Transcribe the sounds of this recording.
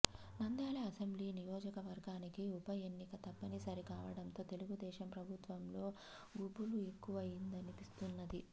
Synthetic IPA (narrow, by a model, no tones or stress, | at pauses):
nɐnd̪aːleɐsembliːnijɔːd͡ʒɐkɐʋɐɾɡaːnikiupɐje̞nːikɐt̪ɐpːɐnisɐɾikaːʋɐɽɐnt̪o̞ːt̪e̞luɡud̪ɛːʃɐmpɾɐbʱut̪ʋɐmlo̞ː | ɡubulue̞kːuʋɐind̪ɐnipist̪unːɐd̪i